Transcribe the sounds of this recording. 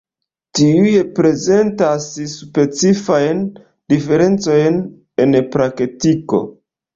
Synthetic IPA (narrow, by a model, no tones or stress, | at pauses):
tiujepɾe̞ze̞ntasspe̞t͡sifajn | dife̞ɾe̞nt͡so̞jn | e̞npɾaktiko̞̰